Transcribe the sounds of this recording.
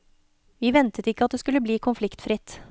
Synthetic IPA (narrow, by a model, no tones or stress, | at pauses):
ʋiːʋɛnt̪ət̪ɪkːəɑt̪̚d̪eːskʉlːəbliːkʰʊnflɪkt̪fɾɪt̪